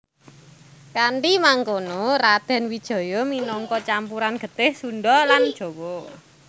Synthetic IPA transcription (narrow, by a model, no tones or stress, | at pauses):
kaɳʈimaŋkonorad̪̥ɛ̤nwid̥ʒ̥ɔ̤jɔminɔŋkɔt͡ʃampuɾanɡ̥ə̤t̪ɪhsunɖɔland̥ʒ̥o̤wɔ